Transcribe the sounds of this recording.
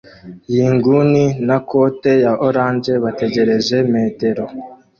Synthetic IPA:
jiːŋɡuninakote̞jaʔoɾaːnd͡ʒe̞βate̞ɟe̞ɾe̞ʒe̞me̞ːte̞ɾo̞

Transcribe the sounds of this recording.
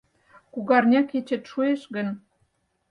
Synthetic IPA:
kuɣɑrnʲɑket͡ɕĕt̪ʃueʃɣə̆n

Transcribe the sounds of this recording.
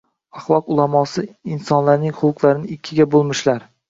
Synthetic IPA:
aχlˠɒqʊlˠamɒsɪɪnsɒnlaɾnɪŋχʊlˠqlˠaɾɪnɪɪkʲʰːɪɡʲabolˠmɪʃlaɾ

